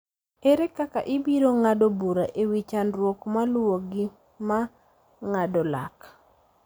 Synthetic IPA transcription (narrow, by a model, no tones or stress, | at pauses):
eɾɛkaka̰ʔɪbiɾoŋadobuɾaʔewit͡ʃanrwokmalwoɡi | ma | ŋadɔla̰k